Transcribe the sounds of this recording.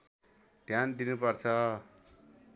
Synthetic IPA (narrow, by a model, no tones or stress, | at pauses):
d̪̥ʱjand̪inupʌrt͡sʰʌ